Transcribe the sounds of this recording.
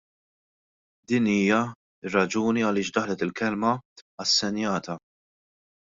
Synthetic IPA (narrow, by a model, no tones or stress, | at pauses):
d̪iːniːjɐ | ɪrːɐd͡ʒuːniɐlɪːʃd̪ɐħlɛt̪ɪlkɛlmɐɐsːɛnjɐːt̪ɐ